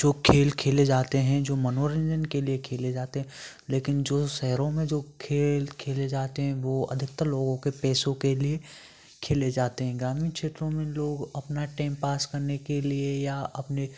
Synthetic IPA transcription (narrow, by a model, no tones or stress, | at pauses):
d͡ʒoːkʰeːlkʰeːled͡ʒaːt̪eɦɛ̃d͡ʒoːmɐnoːɾə̃nd͡ʒənkeliekʰeːled͡ʒaːt̪eɦɛ̃ | leːkɪnd͡ʒoːʃɛɦɾõmẽd͡ʒoːkʰeːlkʰeːled͡ʒaːt̪eɦɛ̃ʋoɐ̰d̪ʱɪkt̪əloːɡõkepɛːsõkelie | kʰeːled͡ʒaːt̪eɦɛ̃ɡɾaːmĩkt͡ʃʰeːt̪ɾõmẽloːɡɐpnaʈẽːmpaːskɐɾnekeliejaɐpne